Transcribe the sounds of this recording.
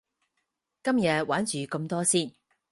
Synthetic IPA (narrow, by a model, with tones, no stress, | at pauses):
kɐ˥mjɐ˨˧t̚wʔaː˨˥nt͡ʃyː˨kɐ˧mt̪ɔː˥siː˥˩n